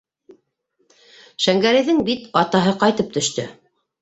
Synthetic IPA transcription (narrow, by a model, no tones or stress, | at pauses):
ʃæŋɡæɾɘ̆jðɘŋbit̪ɑt̪ɑɦɤqɑjt̪ɤp̚t̪ɵ̆ʃt̪ɵ̰